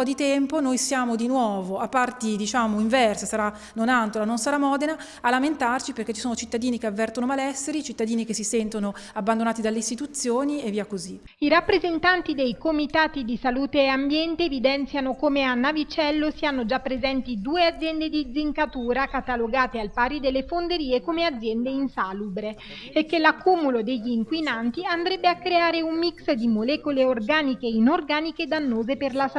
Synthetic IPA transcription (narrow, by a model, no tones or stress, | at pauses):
ɔd̪it̪ɛmponojsjaːmod̪inwɔːvoapːart̪id̪it͡ʃaːmoiɱvɛrsasaɾa | nonant̪olanonsaɾamːɔːd̪enaː | lːament̪art͡ʃipeɾrk̟et͡ʃːisoːnot͡ʃit̪ːad̪iːnikeavːɛrt̪onomalɛsːeɾit͡ʃit̪ːad̪iːnikesːisɛnt̪onoabːand̪onaːt̪id̪alːeist̪it̪ut̪sːjoːnieviːakozi | iɾapːɾezent̪ant̪id̪ejkomit̪aːt̪id̪isaluːt̪eːambjɛnt̪eːvid̪ɛnt̪sjanokoːmeanːavit͡ʃɛlːosianːod͡ʒapːɾezɛnt̪id̪uːead̪zjɛnd̪ed̪id̪ziŋkat̪uːɾakat̪aloɡaːt̪ealpaːɾid̪elːefond̪eɾiːekomead̪zːjɛnd̪einsaːlubɾeː | kːelakːumulod̪eʎːiːŋkwinant̪iand̪ɾɛbːeakːɾeaːɾeumːiksd̪imolɛːkoleorɡaːnikeinorɡaːniked̪anːoːzeperlas